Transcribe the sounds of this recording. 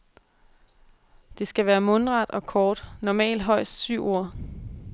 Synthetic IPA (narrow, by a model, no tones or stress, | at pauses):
d̥e̝sɡ̥æʋæːɐmɔ̽nʁɑ̈d̥ɒ̽kʰɒːd̥nɒmɛ̰ːld̥ɦɒ̽ɪ̰sd̥syʊ̰ʔo̝ɐ̰